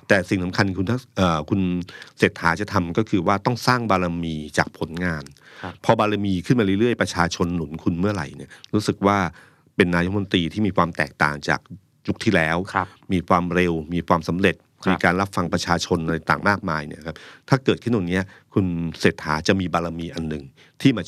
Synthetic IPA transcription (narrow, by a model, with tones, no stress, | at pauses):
t̪ɛː˨˩si˨˩ŋsa˩˦mkʰa˧nkʰu˧nt̪ʰa˥˩ʔəː˨˩kʰu˧nseː˨˩t̪̚ʰːaː˩˦˥t͡ɕa˨˩t̪ʰa˧mkɔː˥˩kʰɯː˧waː˥˩t̪ɔ˥˩ŋsaː˥˩ŋbaː˧ɾa˧miː˧t͡ɕaː˨˩k̚pʰo˩˦nŋaː˧npʰɔ˧baː˧ɾa˧miː˧kʰɯ˥˩nmaː˧ɾɯ˥˩lɯ˥˩əjpɾa˧t͡ɕʰaː˧t͡ɕʰo˧nːu˩˦nkʰu˧nmɯ˥˩ɐɾa̰˨˩˦jni˦˥˩ɐɾuː˦˥sɯ˨˩k̚waː˥˩ | pe˧nːaː˧jo˦˥˧n˧t̪iː˧t̪ʰiː˥˩miː˧kʰwaː˧mt̪ɛ̰ː˨˩k̚t̪a̰ː˨˩ŋt͡ɕa̰ː˨˩k̚ | ju˦˥k̚t̪ʰiː˥˩lɛː˦˥wʰmiː˧kʰwaː˧mɾe˧wmiː˧kʰwaː˧msa˩˦mɾe˨˩t̪̚miː˧kaː˧nɾa˦˥p̚fa˧ŋpɾa˧t͡ɕʰaː˧t͡ɕʰo˧nʔt̪aː˨˩ŋmaː˥˩k̚maː˧jni˥˩ɐkʰa˦˥p̚t̪ʰaː˥˩kɤː˨˩t̪̚ʰɯ˥˩nw̪aː˧˩ni˦˥ɐkʰu˧nseː˨˩t̪̚ʰːa̰ː˩˦t͡ɕa˨˩ʔmiː˧baː˧ɾa˧miː˧ʔa˧nːɯ˨˩ŋ | t̪ʰiː˥˩maː˧